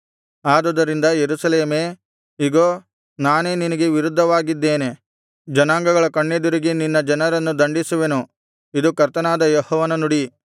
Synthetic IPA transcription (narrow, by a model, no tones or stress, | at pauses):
aːd̪ɐd̪ɐɾind̪ɐjeɾusɐle̞ːme̞ː | iɡoː | naːne̞ːninɐɡeʋiɾud̪ʱːɐʋaːɡid̪ːe̞ːne̞ | d͡ʒɐnaːŋɡɐɡɐɭɐkɐɳːed̪uɾiɡininːɐd͡ʒɐnɐɾɐnːud̪ɐɳɖisuʋe̞nu | id̪ukɐɾt̪ɐnaːd̪ɐjɔhɔːʋɐnɐnuɽi